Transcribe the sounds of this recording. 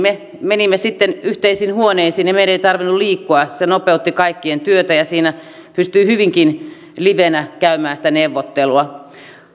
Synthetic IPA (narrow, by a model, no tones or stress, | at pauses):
me | menimːesit̪ːenyht̪eisinhuoneisiːnjɑmeiɾæeit̪ɑrʋinːulliːkːuɑsenopeut̪ːikɑikːient̪yøt̪æjɑsiːnæ | pyst̪yihyʋiŋkin | liʋenækæymæːnsĭ̥t̪æneʋːot̪ːeluɑ